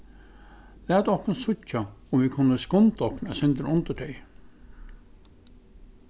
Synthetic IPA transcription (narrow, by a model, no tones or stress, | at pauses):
læːt̪ɔhknsʊt͡ʃːaʊmvɪkʰʊnːəskɔnt̪ɔhknæsɪnt̪ɾʊnt̪əɖɛj